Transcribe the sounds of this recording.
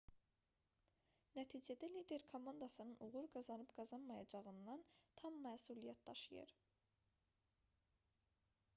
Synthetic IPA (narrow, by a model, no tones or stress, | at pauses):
næt̪ʰiːd͡ʒæd̪ælid̪e̞ɾkʰomɑnd̪ɑsɯnɯnuʁuɾɡɑzɑnɯbɡ̥ɑzɑnmɑjɑd͡ʒɑʁɯnd̪ɑnt̪ʰɑmːæːsulijæt̪̚d̪ɑʃɯjɯ̰ɾ